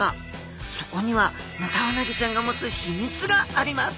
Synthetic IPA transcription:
a | soko̞ɲ̟iβa | mat̪aβanaɡʲit͡ɕãŋɡamo̞t͡sɨɕimʲit͡sɨɡaːɾʲimasɨ̥

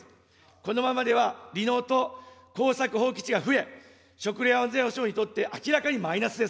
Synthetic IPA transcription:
ko̞no̞mamad̪e̞βaɾʲino̞ːt̪o̞ko̞ːsakɯ̟ɦo̞ːkʲi̥t͡ɕiɡaɸɯ̟e̞ | ɕo̞kɯ̟ɾeːõnzẽoɕo̞ːɲ̟it̪o̞t̪ːe̞ʔakʲiɾakaɲ̟imainasɨd̪es

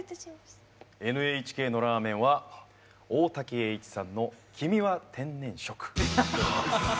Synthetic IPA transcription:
e̞nɯ̟eːit͡ɕi̥ke̞ːno̞ɾaːmẽ̞ɰ̃βa | oːt̪akʲie̞ːit͡ɕi̥sãnːo̞kʲʰimʲiβat̪ʰẽ̞nːẽ̞ɰ̃ɕo̞kɯ̥

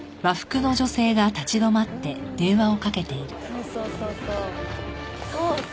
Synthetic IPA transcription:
βaɸɯ̥kɯ̟no̞ʑo̞se̞ːɡat̪at͡ɕid̪o̞mat̪ːe̞d̪̥ẽ̞ɰ̃βao̞kake̞t̪e̞iɾɯ̟osoːsoːso

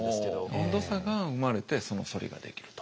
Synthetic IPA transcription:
smõnd̪o̞saɡaɯ̟maɾe̞t̪e̞so̞no̞̰so̞ɾʲḭɡa̰d̪e̞̰kʲi̥ɾɯ̟̥t̪o̥

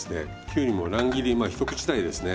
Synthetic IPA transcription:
sɨne̞ | kʲɨːɲ̟imo̞ɾãŋɡʲiɾʲimaːçi̥t̪o̞kɯ̟̥t͡ɕi̥t̪aid̪e̞sɨne̞

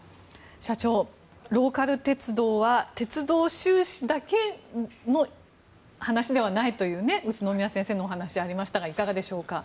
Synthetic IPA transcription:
ɕat͡ɕo̞ː | ɾo̞ːkaɾɯ̟t̪e̞t͡sɨd̪o̞ːβat̪e̞t͡sɨd̪o̞ːɕɨːɕid̪ake̞no̞ | hanaɕid̪e̞β̞anait̪o̞jɯ̟ːne̞ɯ̟t͡ɕɨno̞mʲinasẽse̞ːnoːɦanaɕiaɾʲimaɕi̥t̪aɡaikaɡad̪e̞ɕo̞ːka

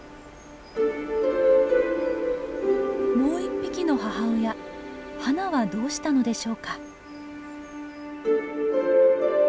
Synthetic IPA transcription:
mo̞ːipʲːikʲino̞ɦaɦaɯjahanaβad̪o̞ːɕi̥t̪ano̞d̪e̞ɕo̞ːka

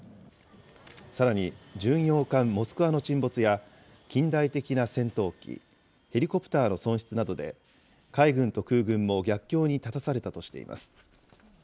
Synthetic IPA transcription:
saɾaɲ̟id͡ʑɨ̃ɰ̃jo̞ːkãmːo̞sɨ̥kɯ̟βano̞t͡ɕĩmbo̞t͡sɨja | kʲĩnd̪ait̪e̞kʲinasẽ̞nt̪o̞ːkʲḭ | he̞ɾʲiko̞pɯ̟̥t̪aːno̞sõ̞ɰ̃ɕi̥t͡sɨnad̪o̞d̪e̞̰ | kaiɡɯ̟̃nt̪o̞kɯ̟ːɡɯ̟̃mːo̞ɡʲakʲːo̞ːɲ̟it̪at̪asaɾe̞t̪at̪o̞ɕi̥t̪e̞̰ḭmʔa̰sɨ̥

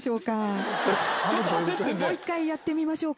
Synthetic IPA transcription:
ɕo̞ːka | t͡ɕozɨt̪omoːikːaijat̪ːe̞mʲimaɕo̞ː

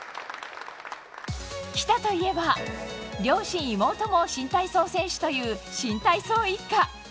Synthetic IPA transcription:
kʲi̥t̪at̪o̞ie̞ba | ɾʲo̞ːɕĩɰ̃imo̞ːt̪o̞mo̞ɕĩnt̪aiso̞ːsẽ̞ɰ̃ɕi̥t̪o̞jɯ̟ːɕĩnt̪aiso̞ːikːa

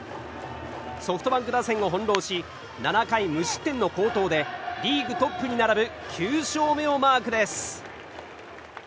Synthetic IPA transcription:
so̞ɸɯ̥t̪obãŋkɯ̟d̪asẽ̞ŋo̞ɦõ̞nɾo̞ːɕi | nanakaimɯ̟ɕi̥t̪ːẽ̞nːo̞ko̞ːt̪o̞ːd̪e̞ɾʲiːɡɯ̟t̪o̞pːɯ̟ɲ̟inaɾabɯ̟kʲʰɨːɕo̞ːme̞o̞maːkɯ̟d̪e̞sɨ̥

